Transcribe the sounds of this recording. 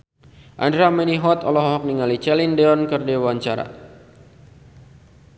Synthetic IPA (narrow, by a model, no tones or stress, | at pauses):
ʔandɾamɛniɦɔt̪ɔlɔɦɔɦɔk̚niŋalit͡ʃɛlindeɔnkərdewaɲt͡ʃaɾa̰